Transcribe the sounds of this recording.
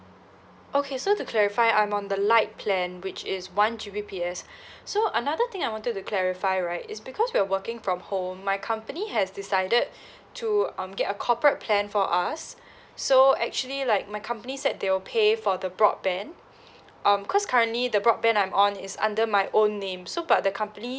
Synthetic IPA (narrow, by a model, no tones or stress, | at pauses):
okʰesotukʰlɛɹifaɪãj̃mɔ̃nd̪əlaɪt̚pʰlɛ̃nwɪt͡ʃɪswãnd͡ʒibipʰiɛsːoʔənaðət̪ɪ̃ŋaɪwɔ̃ntət̚ːukʰlɛɹifaɪɹaɪtɪ̰sbikʰɔswiəwəkɪ̃ŋfɹɔ̃mhõmːaɪkʰãmpəniɦɛsdɪsaɪdəd̚ | tʰːuʌ̃mɡɛtəkʰɔpɹət̚pʰlɛ̃nfɔʔasː | oɛk̚t͡ʃuəlilaɪk̚maɪkʰãmpənisɛd̚d̪ewɪlpʰefɔdəbɹɔ̰d̚bɛ̃n | ʔʌ̃mkʰɔskʰaɹə̃nʔlid̪əbɹɔd̚bɛ̃nãj̃mɔ̃nɪsã̰ndəmaɪʔõnːẽmsobat̚dəkʰãmpəni